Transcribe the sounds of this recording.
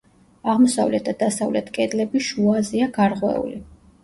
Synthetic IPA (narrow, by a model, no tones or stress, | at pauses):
aʁmɔsavlɛt̪̚d̪ad̪asavlɛt̪ʰkʼɛd̪lɛbiʃuaziaɡaɾʁwɛ̰ṵli